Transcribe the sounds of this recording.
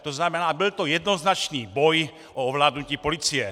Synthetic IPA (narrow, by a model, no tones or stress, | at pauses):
t̪oznamɛnaːbilt̪ojɛd̪nɔznat͡ʃniːbɔj | ʔɔɔʋlaːd̪nuciːpolit͡sijɛ